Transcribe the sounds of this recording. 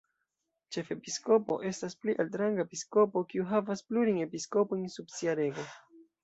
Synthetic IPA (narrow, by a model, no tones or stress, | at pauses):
t͡ʃe̞fe̞pisko̞po̞̰ʔe̞staspliʔaltɾaŋɡaepisko̞po̞kiuɦavaspluɾijne̞pisko̞po̞jnsubsiaɾe̞ɡo̞